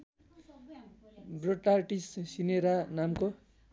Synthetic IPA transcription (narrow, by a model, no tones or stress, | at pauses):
broʈarʈissineɾanamko